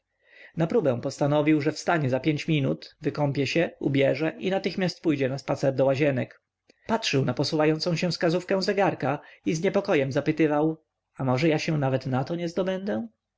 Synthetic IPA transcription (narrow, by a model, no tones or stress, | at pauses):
napɾubɛ̃w̃pɔst̪anɔvʲiwʐɛfst̪aɲɛzapʲjeɲt͡ɕmʲinṵt̪vɘkɔmpʲjɛɕɛṵbʲjɛʐɛʔinat̪ɘxmʲast̪̚pujd͡ʑɛnaspat̪sɛɾd̪ɔwaʑɛnɛk | patʂɘwnapɔsuvajɔnt̪sɔ̃w̃ɕɛfskazufkɛ̃w̃zɛɡaɾkaizɲɛpɔkɔjɛmzapɘt̪ɘvaw | amɔʐɛjaɕɛ̃navɛt̪nat̪ɔɲɛzd̪ɔbɛnd̪ɛ